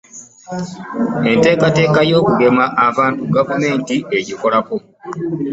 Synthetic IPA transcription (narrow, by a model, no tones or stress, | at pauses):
e̞nte̞ːkate̞ːkajo̞ːkuɡe̞maʔːβaːntuɡavume̞ːntie̞ɟiko̞lako̞